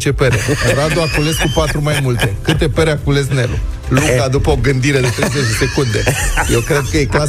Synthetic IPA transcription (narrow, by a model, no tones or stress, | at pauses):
t͡ʃe̞peɾeɾad̪oakule̞skupat̪ɾumajmult̪e̞kɨt̪e̞peɾeakule̞snelṵ | lukad̪upəoɡɨnd̪iɾe̞d̪et̪ɾejzet͡ʃd̪ese̞kund̪e̞̰je̞wkɾe̞d̪̚kəje̞kla